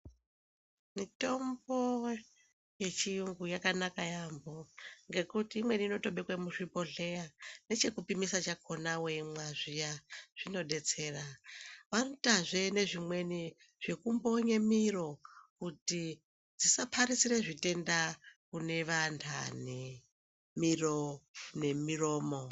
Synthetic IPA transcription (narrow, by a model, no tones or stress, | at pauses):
mito̞mbo̞ | je̞t͡ʃijuŋɡujakanakajambo̞ŋɡe̞kutiːmwe̞niːno̞to̞ɓekwemuʂipo̞ɮe̞jane̞t͡ʃe̞kupimisat͡ʃakʰo̞naweimwaʐijaʐ̥ino̞ɗe̞t͡se̞ːraʋanotaʐe̞ne̞ʐimwe̞ni | ʐ̥e̞kumbo̞ɲemiro̞kuti | d͡zisapʰaɾisiɾe̞ʐite̞ndakune̞ʋantʰa̰ne | mirone̞miro̞ːmo̞